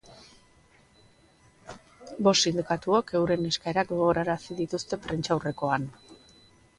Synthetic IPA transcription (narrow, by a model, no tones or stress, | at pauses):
bo̞sːind̪ikat̪uoke̞wɾe̞meskaeɾakɡoɣoɾaɾasiðit̪ust̪e̞pɾe̞nt͡ʃawre̞ko̞an